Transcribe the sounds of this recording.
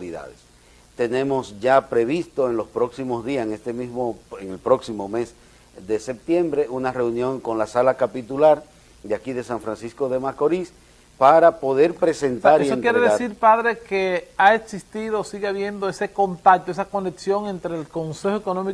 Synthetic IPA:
ɾiða̰ðes | t̪e̞nẽ̞mosd͡ʒapɾe̞βist̪oenlospɾo̞ksimozðiaseŋest̪emizmoeŋelpɾo̞ksimo̞me̞s | ðe̞se̞p̚t̪jẽ̞mbɾeʔunare̞unjõ̞ŋkonlasalakapit̪ulaɾ | d̪eakiðe̞saɱfɾansiskoðemasko̞ɾis | paɾapo̞ðe̞ɾpɾesent̪aɾesonkjeɾeðesiɾpaðɾe̞keaeksist̪iðosiɣeaβje̞nd̪oese̞ko̞nt̪ak̚t̪oesako̞neksjo̞ŋe̞nt̪ɾeːlko̞nse̞xoekonomi

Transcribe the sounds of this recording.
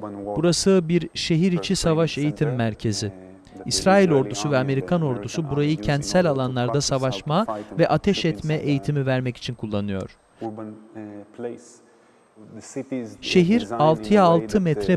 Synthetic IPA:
b̥uɾasɯbiɾʃe̞ɦiɾit͡ʃʰisavaʃe̞jit̪ʰimːæɾcʰe̞zɪ | isɾaːilʲo̞ɾd̪usuvɛame̞ɾikʰano̞ɾd̪usubuɾajɯcʰɛnt̪sælʲalˠanlˠaɾd̪asavaʃmavɛʔat̪ʰɛʃɛt̪mɛʔejit̪ʰimivæɾmɛci̥t͡ʃʰinkʰulˠːanɯjo̞̰ɾ̥ | ʃe̞ɦiɾalˠt̪ʰɯjaːlˠt̪ʰɯmɛt̪ɾɛ

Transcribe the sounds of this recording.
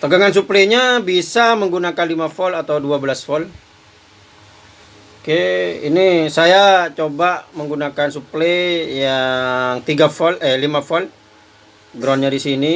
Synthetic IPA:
t̪əɡaŋans̬upleɲabisaməŋɡunakanlimafɔlat̪awduabəlasfɔl | keḭnisajat͡ʃobaʔməŋɡunakansuplejaŋt̪iɡafɔlɛlimafɔl | ɡɾɔnɲadisini

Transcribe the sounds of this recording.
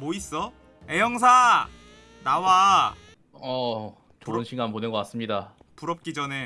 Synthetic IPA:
mois͈ʌ | ejʌŋsʰa | nawa | ʌ | t͡ɕoɾɯnɕʰiŋɡanponeɡʌk͈as͈ɯmɲida | puɾʌp̚k͈id͡ʑʌne̞

